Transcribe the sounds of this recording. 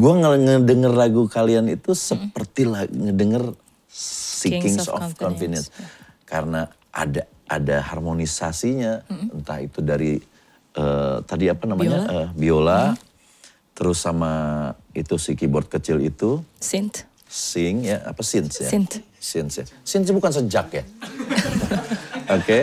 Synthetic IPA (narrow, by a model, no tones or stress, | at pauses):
ɡuaŋəŋədəŋərlaɡukalianit̪usəpərt̪ilaŋədəŋər | sikɪŋsɔ̰fkɔnfinɛs | kaɾəna | a̰da | a̰daharmonisasiɲaənt̪aɦḭt̪udaɾi | ʔət̪adiapanamaɲaʔəbiola | t̪əɾʊsːamait̪usikibɔrt̪̚kət͡ʃɪlḭt̪us | sɪŋjaa̰pasɪnsja | sɪnsja̰sinsbukans̬əd͡ʒakja | oke